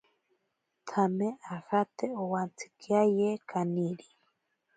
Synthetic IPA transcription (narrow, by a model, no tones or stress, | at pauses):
t̪ʰameʔaxat̪eowant͡sʰi̥kʰiajekaniɾi